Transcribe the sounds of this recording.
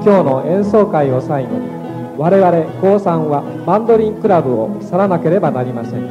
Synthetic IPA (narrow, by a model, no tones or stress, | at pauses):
kʲo̞ːno̞ẽ̞ɰ̃so̞ːkaio̞saino̰i | βaɾe̞βaɾe̞ko̞ːsãɰ̃βa | bãnd̪o̞ɾʲĩŋkɯ̟ɾabɯo̰saɾanake̞ɾe̞banaɾʲimasẽ̞ŋ